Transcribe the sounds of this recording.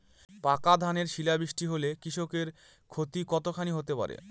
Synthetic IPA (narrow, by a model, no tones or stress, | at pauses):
pakad̪ʱaneɾʃilabɾiʃʈiɦolekɾiʃokeɾ | kʰot̪ikɔt̪okʰaniɦot̪epa̰ɾḛ